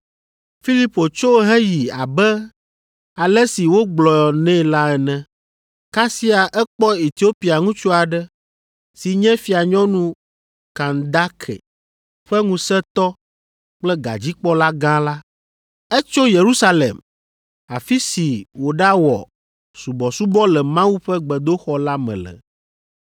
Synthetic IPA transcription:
fi˦li˦po˨t͡ʃo˦ɦɛ˦ji˨a̰˨bɛ˦ | a˨lɛ˦si˨wo˦ɡ͡blɔ˨jɔ˨nɛ̃˦˨la˦ɛ˨nɛ̃˨ | ka˦si˦a˨ʔɛ˦k͡pɔ˦e˨t̪i˨˦o˦pi˨a˨ŋũ˦t͡ʃu˦a˨ɖɛ˦ | si˨ɲɛ̃˦fi˨a˨ɲɔ̃˦nũ˦ | kã˨nd̪a˦kʰɛ̰˨ | ɸɛ˦ŋũ˨sɛ˦t̪ɔ˦ | k͡plɛ˦ɡa̰˨d͡ʑi˦k͡pɔ˦la˦ɡã˦la˦ | ɛ˦t͡ʃo˦je˨ɾu˦sa˦lḛ˨m | a˨fi˦si˨wo˨ɖa˦wɔ̰˨ | su˨bɔ˨su˦bɔ˦lɛ˨mã˦wu˦ɸɛ˦ɡ͡bɛ˨d̪o˦xɔ˦la˦mɛ̰̃˨lɛ̰˨

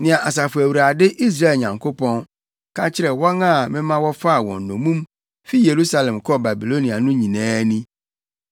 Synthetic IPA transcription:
nɪ̃˨ã˨ʔa˨s̬a˨fʊ˨æ˨wu˨ɾa˨dɪ˦ʔi˦s̬ɾa˦e˨lɲã˨ŋkʰo˦pɔ̃˦n | kʰã˦t͡ɕʰɪ˦ɾɛ˨wɔ˦ŋã˦˨mɪ̃˦mã˦wɔ˦fa˦a˨wɔ̰̃˨n˨nɔ̃˨mũ˦m | fi˦je˨ɾu˦sa˦lɛ̃˨mkʰɔ˦ba˨bi˨lo˦ni˨a˨nʊ̃˦ɲĩ˨nɛ̃ː˦nĩ˦

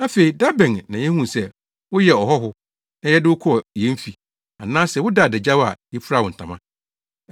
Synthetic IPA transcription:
a˦fe˨i˨da˦bɛ̃˨nːã˨jɛ˦hũ˦˨sɛ˦˨ | wʊ˦jɛ˨ɔ˨ɦɔ˦ɦʊ˦ | nã˦jɛ˦dɪ˦wʊ˦kʰɔ˦˨jɛ̃˨˦m˦fi˨ | a˨nãː˦sɛ˨wʊ˦da˦˨dɛ˨d͡ʑa˦wa̰˨jɛ˦pʰʊ˦ɾa˦˨wʊ̃˨n̩˨tʰã˨mã̰˦

